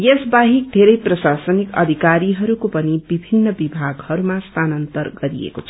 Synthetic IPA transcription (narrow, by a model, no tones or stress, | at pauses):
jesbaɦik̚d̪ʱeɾʌjprʌsasʌnikʌ̰d̪ʱikaɾiɦʌɾukopʌnibibʱinːʌbibʱaɡhʌɾumast̪ʰanʌnt̪ʌrɡʌɾiḛkot͡sʰ